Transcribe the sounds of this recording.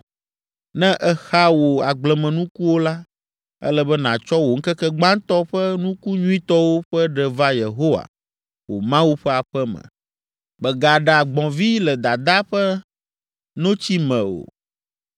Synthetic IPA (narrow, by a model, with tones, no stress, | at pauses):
nɛ̃˦ʔɛ˦xa˦wo˨a˨ɡ͡blɛ˨mɛ̃˨nũ˦ku˦wo˦la˦ | ɛ̰˦lɛ˦bɛ˦nã˨t͡ʃɔ˦wo˨ŋ̩˦kɛ˦kɛ˦ɡ͡bã˦ŋ˦t̪ɔ˦ɸə˦nũ˦ku˦ɲũ˦ĩ˦t̪ɔ˦wo˦ɸɛ˦ɖɛ˨va˦je˨ɦo˦wa̰˨ | wo̰˨mã˦wu˦ɸɛ˦a˨ɸɛ˦mɛ̰̃˨ | bɛ˨ɡa˨ɖa˨ɡ͡bɔ̃˨vi˦lɛ˨d̪a˨d̪a˦ɸɛ˦ | nõ˦t͡ɕi˦mɛ̃˨o̰˨